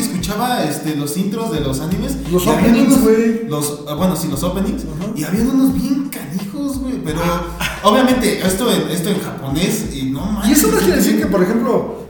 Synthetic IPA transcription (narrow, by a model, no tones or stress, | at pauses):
eskut͡ʃaβaest̪e̞lo̞sint̪ɾozðe̞lo̞sanĩme̞slosoaβpanswelos | bwe̞nosilosopeniŋs | iaβianunozbje̞ŋkanixozɣwepeɾooβjamẽ̞nt̪eʔest̪oenest̪oeŋxapo̞ne̞sinomaesomaskjeɾeesiɾkepoɾexe̞mplo